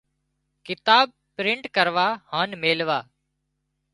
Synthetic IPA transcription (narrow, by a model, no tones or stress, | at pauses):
kɪt̪aːb̚pɾɪɳʈkəɾʋaːhaːnmeːlʋaː